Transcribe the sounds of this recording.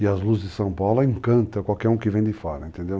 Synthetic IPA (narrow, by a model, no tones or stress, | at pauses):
iɐzluzzd̪ɪsɐ̃w̃pawlẽŋkɐ̃nt̪ɐ̃kwawkɛɾũkɪvẽj̃d̪ɪfaɾɐẽnt̪ẽnd̪ew